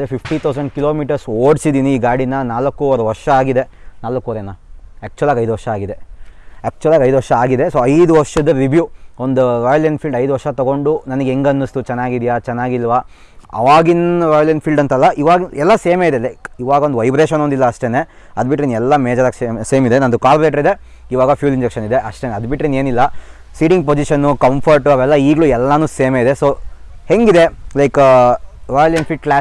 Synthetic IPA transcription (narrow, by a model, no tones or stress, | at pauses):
ɐd̪ɾepʰipʰʈit̪ʰɐwsɐɳɖ̚kilo̞ːmiːʈɐɾsoːɖsid̪iːniːɡaːɽinːɐnaːlɐkːuɔɾuʋɐɾʂɐaːɡid̪e̞naːlɐkːuoɾenɐæːk̚t͡ʃuɐlaːɡɐjd̪uʋɐɾʂɐaːɡid̪e̞æːk̚t͡ʃuʋɐlaːɡɐjd̪uʋɐɾʂɐaːɡid̪e̞soːɐjd̪uʋɐɾʂɐd̪ɐɾiʋjuond̪uɾɔːjɐlɐnpʰilɖɐjd̪uʋɐɾʂɐt̪ɐɡo̞ɳɖunɐnɐɡeeŋɡɐnːust̪ut͡ʃɛnːaːɡid̪ijat͡ʃɛnːaːɡilːʋa | ɐ̰ʋaːɡinʋaːjɐljɐnpʰilɖɐnt̪ɐlːɐʔiʋaːɡiɛlːɐseːmeid̪elɐjkiʋaːɡɐond̪ʋɐjbɾeːʃɐnond̪ilːɐːʂʈene | ɐd̪biʈːɾinɛlːɐmeːd͡ʒɐɾaɡseːseːmid̪e̞nɐnd̪ukaːlbleʈɐɾid̪e̞ | iʋaːɡɐfjuːliɲd͡ʒekʂɐnid̪e̞ʔɐʂʈeneɐd̪biʈɾineːnilːɐsiːʈiŋɡ̚p̬od͡ʒiʃɐnːukɐmpʰɐɾʈuɐʋɛlːɐiːɡɐɭuɛlːɐnuːseːmeid̪e̞soːhe̞ŋɡid̪e̞lɐjk | ʋaːjɐljɐnpʰilɖklaː